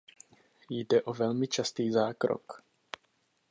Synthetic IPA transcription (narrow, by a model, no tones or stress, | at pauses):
jdɛʔo̞vɛlmɪt͡ʃast̪iːzaːkɾo̰k